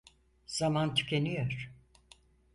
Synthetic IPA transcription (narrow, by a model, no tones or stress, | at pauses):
z̥amant̪ʰy̥cʲʰenyjoɾ̥